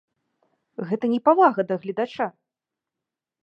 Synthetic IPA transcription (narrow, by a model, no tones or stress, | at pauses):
ɣɛt̪ɐnʲɛpavaɣɐd̪ɐɣlʲid̪at͡ʂa